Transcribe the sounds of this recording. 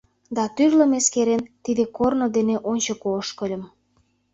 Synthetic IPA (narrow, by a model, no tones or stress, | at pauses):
d̪ɑt̪yrlə̆meskeɾent̪id̪ekornod̪eneʔonʲt͡ɕokoʃkə̆lʲə̆m